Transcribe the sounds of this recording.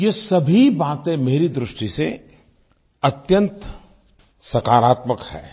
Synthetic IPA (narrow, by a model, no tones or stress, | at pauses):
jesɐbʱibaːt̪ẽmeːɾid̪ɾʊʃʈise | ɐt̪jə̃nt̪ | sɐkaːɾaːt̪məkhɛ̰ː